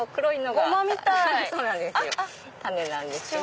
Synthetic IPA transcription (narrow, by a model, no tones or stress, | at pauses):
okɯɾoinːoɡomamʲit̪asonand̪esjo | t̪anːenand̪eso